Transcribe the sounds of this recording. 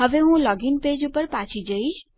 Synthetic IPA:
ɦəʋeɦũlɔɡinped͡ʒupəɾpat͡ʃʰid͡ʒəit͡ʃʰ

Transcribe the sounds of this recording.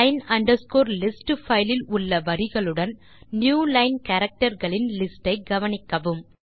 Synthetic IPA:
ɐɪnɐɳɖɐɾskoːɾlɪsʈfɐɪlɪlʊɭːɐʋɐɾɪɣɐɭɯɽɐn | njuːlɐɪnkɐɾɐk̚ʈɐɾɣɐɭɪnlɪsʈɐɪɡɐʋɐnɪkːɐʋɯm

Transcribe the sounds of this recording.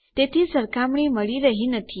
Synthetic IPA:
t̪et̪ʰisəɾkamɳiməɭiɾəɦinət̪ʰi

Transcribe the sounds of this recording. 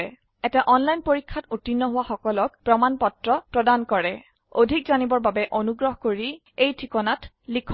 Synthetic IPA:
ɛ | ɛtɛʔɔnlajnpoɹikʰːatutinːɔɦʊwaxɔkɔlɔk̚pɹɔmanpɔtɹɔpɹɔdankɔɹɛ | odʱik̚zanibɔɹbabɛʔonuɡɹɔɦɔkoɹi | ejtʰikɔnat | likʰː

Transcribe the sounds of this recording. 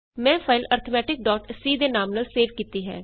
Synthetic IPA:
mɛ̃ːpʰaːɪləɾt̪ʰəmɛːʈɪk̚ɖɔːʈsiːd̪eːnaːmnəlseːʋkiːt̪iːɦɛ̰ː

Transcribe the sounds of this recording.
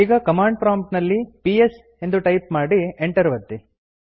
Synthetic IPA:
iːɡɐkɐmaːɳɖ̚pɾaːmʈnɐlːipies | e̞nd̪uʈɐjpmaːɽieɳʈɐɾʋɐt̪ːi

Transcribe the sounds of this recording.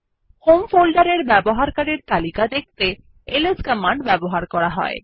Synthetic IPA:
homfolɖaɾeɾbɛboɦaɾkaɾiɾt̪alikad̪ek̚t̪e | eleskəmaɳɖbɛboɦaɾkɔɾaɦɔ̰e

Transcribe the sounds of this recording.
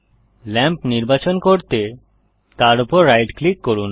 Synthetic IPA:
lɛmpniɾbat͡ɕonkoɾt̪e | t̪aɾupoɾːajʈklikːoɾun

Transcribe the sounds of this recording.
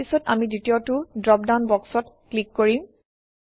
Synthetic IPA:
isɔtamidutiotʊdɹɔp̚dawnbɔksɔtklikːoɹim

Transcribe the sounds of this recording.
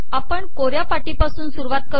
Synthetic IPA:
apəɳkoɾjapaʈipasuːnsuɾuʋat̪̚kə

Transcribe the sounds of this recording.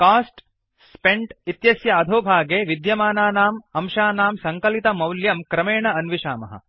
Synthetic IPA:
kaːsʈ | speɳʈit̪jɐsjɐɐd̪ʱoːbʱaːɡeːʋid̪jɐmaːnaːnaːmɐmʃaːnaːmsɐŋkɐlit̪ɐmɐwljɐmkɾɐmeːɳɐɐnʋiʃa̰ːmɐ̰ɦɐ̰

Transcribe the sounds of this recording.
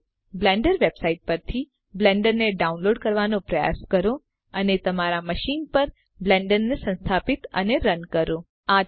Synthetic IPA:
blɛ̃ɳɖəɾʋebsaiʈ̚pəɾt̪ʰi | blɛ̃ɳɖəɾneɖaunloɖkəɾʋanopɾəja̰skəɾo | ənet̪əmaɾaməʃinpəɾ | blɛ̃ɳɖənːesə̃nst̪ʰapit̪ə̰neɾənkəɾõ | a

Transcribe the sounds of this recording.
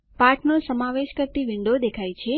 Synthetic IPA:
paʈʰnosəmaʋeʃkəɾt̪iʋɪɳɖod̪ekʰajt͡ʃʰe

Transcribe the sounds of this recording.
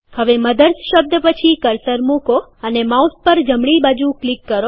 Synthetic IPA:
həʋeməd̪əɾsʃəb̚d̪ʱəpət͡ʃʰikəɾsəɾmũkoənemauspəɾd͡ʒəmɽibad͡ʒũklikːəɾo

